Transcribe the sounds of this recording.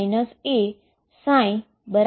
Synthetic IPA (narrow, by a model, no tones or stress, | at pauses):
jnəse | sãj | bəɾ